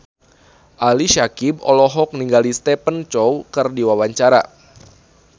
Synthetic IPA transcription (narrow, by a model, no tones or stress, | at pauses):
ʔaliʃakibɔ̰lɔɦɔk̚niŋɡalist̪ɛpənt͡ʃɔwkərdiwawaɲt͡ʃaɾa̰